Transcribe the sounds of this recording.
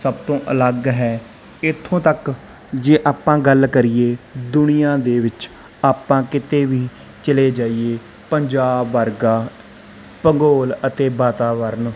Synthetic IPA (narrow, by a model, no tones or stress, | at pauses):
səbt̪õːʔələɡɦɛː | ɪt̪ʰːõːt̪ək | d͡ʒeːʔaːpãːɡəlkəɾieːd̪ʊnɪjãːd̪eːʋɪt͡ʃ | aːpãːkɪt̪eːʋiː | t͡ʃəleːd͡ʒaːieː | pəɲd͡ʒaːbːəɾɡaː | pəŋɡoːlət̪eːbaːt̪aːʋəɾn